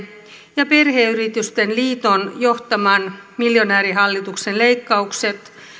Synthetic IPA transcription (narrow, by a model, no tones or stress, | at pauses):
jɑpe̞rɦeyɾit̪yst̪enliːt̪o̞njoht̪ɑmɑnmiljo̞næːɾiɦɑlːit̪uksenle̞jkːɑukse̞t̪